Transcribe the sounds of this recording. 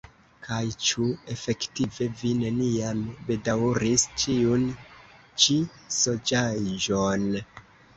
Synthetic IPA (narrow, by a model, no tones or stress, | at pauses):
kʰajt͡ʃue̞fe̞ktive̞vine̞niambe̞dawɾist͡ʃiun | t͡ʃi | so̞d͡ʒaʒon